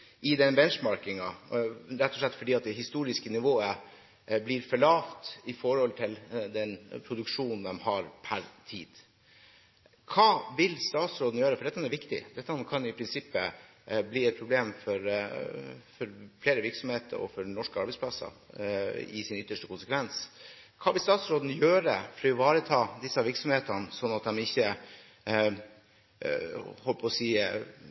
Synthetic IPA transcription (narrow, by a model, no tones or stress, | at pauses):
ɪd̪ɛnbɛnʂmɑɾkɪŋɑɾɛt̪ːɔʂɭlɛt̪ːfɔɖiːɑt̪̚d̪ɛɦɪst̪uːɾɪskənɪʋoːə | bliːɾfɔɭɑːʋt̪ɪfɔɾhɔlt̪ʰɪld̪ɛnpʰɾʊd̪ʉkʂuːnnd̪ɛmhɑɾpʰæɾt̪ʰiːd̪̥ | kʰɑːʋɪlst̪ɑːt̪sɾoːd̪n̩jøːɾəfɔɖɛt̪ːɑnːæɾʋɪkt̪ɪ̰d̪ɛt̪ːɑkʰɑnjʊɪpʰɾɪnsɪpːə | bliːɛt̪̚pʰɾʊbleːmfɔɾ | fɔɾfleːɾəʋɪɾksɔmheːt̪ʰə̰ɾɔ̰fɔɾnɔʂkəɑɾbɛɪspʰlɑsə̰ | ɪ̰sɪnʏt̪ːəʂʈəkʊnsəkʰʋɛns | kʰɑːʋɪlst̪ɑːt̪sɾoːd̪n̩jøːɾəfɾɔɪʋɑːɾət̪ʰɑːd̪ɪsːɑʋɪɾksɔmheːt̪ənsɔnːɑt̪̚d̪ɛmɪçːə | hɔlːəpʰɔsiː